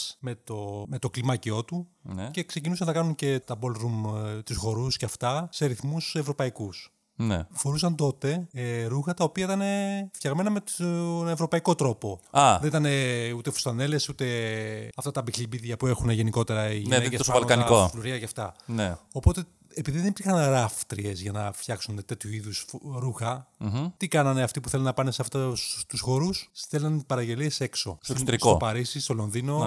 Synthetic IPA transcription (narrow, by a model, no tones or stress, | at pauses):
me̞t̪o̞me̞t̪o̞klimɐcio̞t̪unce̞kse̞cinus̬ɐnːɐkɐnunce̞t̪ɐbo̞lɾumt̪usxo̞ɾusceɐft̪ɐseɐɾiθmusevɾo̞pɐikus | nefo̞ɾusɐnt̪o̞t̪e̞ɾuxɐt̪ɐopiɐit̪ɐne̞fçɐɣme̞nɐmeevɾo̞pɐiko̞t̪ɾo̞po̞ɐðenit̪ɐne̞ut̪e̞fu̥st̪ɐne̞le̞sut̪e̞ɐft̪ɐt̪ɐbiçibiðʝɐpue̞xuneʝe̞niko̞t̪e̞ɾɐiʝiinekesovɐlkɐniɐkofluɾiɐʝɐft̪ɐneopo̞t̪e̞ː | piðiðenip̪ixɐnɾɐft̪ɾie̞zʝɐnɐfçɐksunet̪e̞t̪çuiðusfɾuxɐt̪ikɐnɐneɐft̪ipuθe̞lonɐpɐneseɐft̪ɐt̪usxo̞ɾusθelɐnpɐɾɐʝe̞lie̞se̞kso̞̰stost̪ɾiskopɐɾisist̪o̞lo̞nðino̞